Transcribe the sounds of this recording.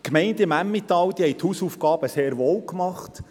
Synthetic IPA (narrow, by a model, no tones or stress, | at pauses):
kmɛɪndɪmæmːɪt̪ːɑld̪ihɛɪt̪huːsuːfɡɑːb̥əseːɾʋoːwkmɑχt